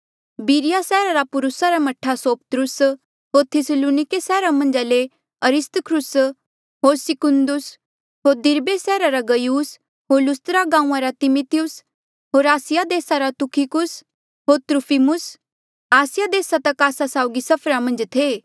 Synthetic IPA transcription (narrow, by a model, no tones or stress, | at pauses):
biːɾɪjasɛːɾaɾapʊɾʊsaɾamɐʈʰːasoːpət̪ɾʊs | ɦoːɾt̪ʰɪsəluːnɪkesɛːɾamɐ̃nd͡ʒaːle | ɐɾɪst̪əkʰɾʊs | ɦoːɾsɪkʊnd̪ʊs | ɦoːɾd̪ɪɾbesɛːɾaɾaɡɐjuːs | ɦoːɾlʊst̪ɾaɡãːũãɾat̪ɪmit̪ijʊs | ɦoːɾaːsɪjad̪eːsaɾat̪ʊkʰikʊs | ɦoːɾt̪ɾʊpʰimʊs | aːsɪjad̪eːsat̪ɐkaːsasaːʊɡisɐpʰɾamɐ̃nd͡ʒt̪ʰeː